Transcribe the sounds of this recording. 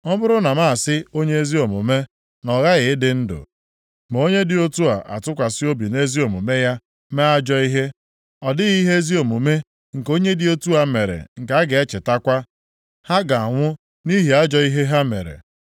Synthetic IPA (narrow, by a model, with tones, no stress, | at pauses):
m̩˦bʊ˦ɾʊ˦na˨ma˦a˨sɪ˦o˦ɲe˦e˦zi˦o˨mu˨me˦ | nɔ˨ɣa˦ɣɪ˨ɪ˦dɪ˦n̩˦dʊ̰˨ | m˨o˦ɲe˦dɪ˦o˦tu˦a̰˨ʔa̰˨tʊ˦kʷa˨sɪ˦o˦bi˨ne˦zi˦o˨mu˨me˦ja˦ | me˦a˦d͡ʒɔ˦i˦ɦe˦ | ɔ˨dɪ˦ɣi˦ɦe˦e˦zi˦o˨mu˨me˦ | ŋ̩˨ko˦ɲe˦dɪ˦o˦tu˦a˨˦me˨ɾḛ˨ŋ̩˨ka˨˦a˦ɡe˨e˦t͡ʃɪ˨ta˦kʷa˦ | ha˦ɡa˨a˨ŋʷʊ˦ | ni˦ɦi˨a˦d͡ʒɔ˦i˦ɦe˦ɦa˦mḛ˨ɾḛ˨